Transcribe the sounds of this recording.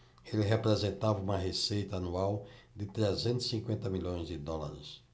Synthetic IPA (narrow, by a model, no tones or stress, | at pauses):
elɪɦepɾezẽnt̪avɐũmɐɦesejt̪ɐanuawd̪ɪt̪ɾɛzẽnt̪ʊɪ̥sĩŋkwẽnt̪ɐmiʎõj̃zd̪ɪd̪ɔla̰ɾɪs